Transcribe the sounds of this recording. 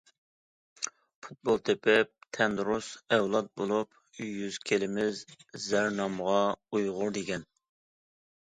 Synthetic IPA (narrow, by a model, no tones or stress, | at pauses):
pʰu̥t̪̚bolˠt̪ʰepʰɪp̚t̪ʰɛnd̪ɾusɛwlˠɑt̪̚bolˠup | jyz̥kʲʰelɪmɪzzæɾnɑmʁɑujʁʊɾd̪eɡʲɛn